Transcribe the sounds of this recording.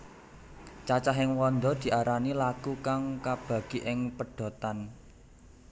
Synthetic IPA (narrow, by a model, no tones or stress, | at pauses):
t͡ʃat͡ʃaɦɪŋwɔnd̪ɔd̪̥i̤ʔaɾanilakukaŋkab̥a̤ɡ̥i̤ʔɪŋpəɖ̥ɔ̤t̪an